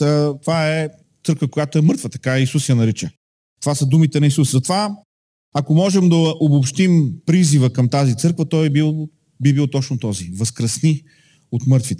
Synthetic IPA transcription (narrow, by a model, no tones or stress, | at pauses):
ət̪ovaɛ | t̪sɤɾkvəkojat̪oɛmɤɾt̪vət̪ɐ̥kaɛisusjɐnɐɾit͡ʃə | t̪ovasəd̪umit̪ɛnɐisuszɐt̪ova | ɐkomɔʒɛmd̪ɐʔobopʃt̪impɾizivəkɐmt̪azit̪sɤɾkvət̪ɔjbilˠ | bibilˠt̪ɔt͡ʃnʊt̪ɔzivɐskɾəsni | ot̪mɤɾt̪vit̪ɛ